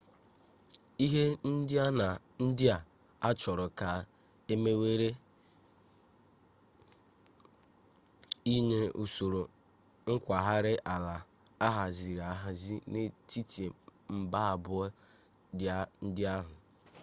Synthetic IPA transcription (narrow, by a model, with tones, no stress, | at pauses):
i˦ɦe˦n̩˦dɪ˦a˦na˨ | n̩˦dɪ˦a˨ | a˦t͡ʃɔ˨ɾʊ˨ka˨ | e˦me˦we˦ɾe˦ | i˦ne˦u˨so˨ɾo˨ | ŋ̩˦kʷa˨ɦa˦ɾɪ˦ʔa˨la˨ | a˦ɦa˨zi˨ɾa˨ɦa˨zi˦ne˦ti˦te˨m̩˦ba˦a˨bʊ˦ | dɪ˨a˦n̩˦dɪ˦a˦ɦʊ˨